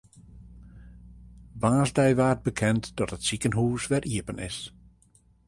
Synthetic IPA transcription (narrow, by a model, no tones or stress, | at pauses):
ʋaːzdɛjʋaːt̚bəkʰɛntdɔtətsikənɦuːsʋɛrʔiəpənɪ̰s